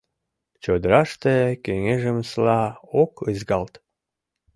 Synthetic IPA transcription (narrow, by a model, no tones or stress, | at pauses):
t͡ɕod̪əɾɑʃt̪ekeŋeʒəmslɑokəzɡɑlt̪